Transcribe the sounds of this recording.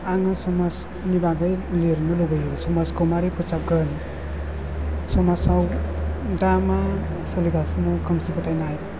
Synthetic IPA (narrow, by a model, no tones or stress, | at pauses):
aŋɯsɔmas | nibaɡɯjliɾnɯlubɯjɯsɔmaskɔmaɾipʰɯsap̚ɡɯn | sɔmasaw | dama | sɯliɡasnɔkʰɯmsibɯtʰajnaj